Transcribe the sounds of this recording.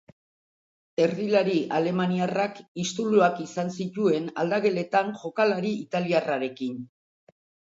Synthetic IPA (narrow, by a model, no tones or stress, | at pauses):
e̞ɾðilaɾiale̞maniarakist̪uluakisansit̪ue̞na̰ld̪aɣe̞le̞t̪anʝo̞kalaɾiit̪aliaraɾe̞kin